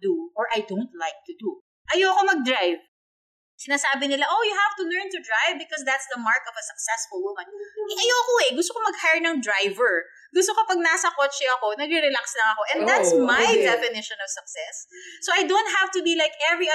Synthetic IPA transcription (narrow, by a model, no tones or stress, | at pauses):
d̪uʔɔɹʔajd̪ont̪̚lajk̚t̪ʊd̪u | ʔɐjowɐko̞mɐɡ̚d̪ɹajv | sɪnaːsaːbɪnɪlaʔojʊhav̥t̪ʊlɛɹnt̪ʊd̪ɹajvbɪkɔsd̪at̪sd̪ɐmaɹkɔvɐsɐk̚sɛsfʊlˠwʊmɐ̃nʔɐjoɐkoɛɡʊst̪okomɐɡhajnɐŋd̪ɹajvɛɹ | ɡʊst̪okɐpɐɡ̚naːsɐkot͡ʃɛʔɐko̞nɐɡɾɛɾɛlakslɐŋɐko̞ʔɛ̃nd̪at̪smajd̪ɛfɪnɪʃɔ̃nɔv̥sɐk̚sɛsːowɐjd̪õwnt̪̚havt̪ʊbilajkɛvɹi